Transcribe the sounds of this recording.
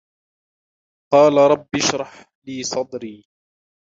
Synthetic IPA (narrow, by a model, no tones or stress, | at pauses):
qɑːlaɾˤɑbːɪʃɾˤɑħ | liːsˤɑd̪ˤɾiː